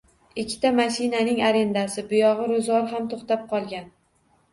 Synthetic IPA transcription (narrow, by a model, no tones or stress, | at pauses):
ɪkʲʰːɪ̥t̪ʰamaʃɪnanɪŋaɾe̞nd̪asɪbʊjɒʁɨɾʊzɒɾɦamt̪ʰoχt̪ap̚qʰɒlˠɡʲan